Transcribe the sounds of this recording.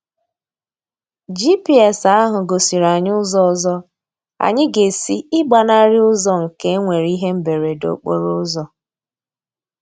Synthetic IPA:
d͡ʒi˦pi˦ɛ˨sa˦ɦʊ˨ɡo˨si˨ɾa˨ɲʊ˦zɔ˦˨zɔ˦ | a̰˨ɲɪ˦ɡe˨si˦ɪ˦ɡ͡ba˨na˦ɾɪ˦ʊ˦zɔ˦ŋ̩˨ke˦ŋʷe˨ɾi˦ɦe˦m̩˦be˨ɾe˨do̰˨k͡po̰˦ɾʊ˦zɔ˨

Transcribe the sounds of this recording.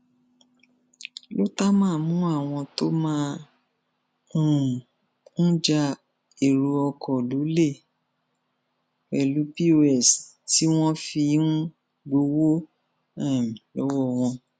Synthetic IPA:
lo˦ta˦mãː˦˨mũ˦a˦˨w̃ɔ̃˧to˦mã˦ | ũ˦˨ | ñ̩˦d͡ʒa˧ | e˨ɾu˧ɔ˧kʰɔ˨lo˨˦le˦˨ | ɛ˨lu˨˦pi˦o˧ɛ˨s | ti˦w̃ɔ̃˦fi˧ũ˦ | ɡ͡bo˧˦wo˦ | ɛ˦˨lɔ˨˦wɔ˦˨w̃ɔ̃˧

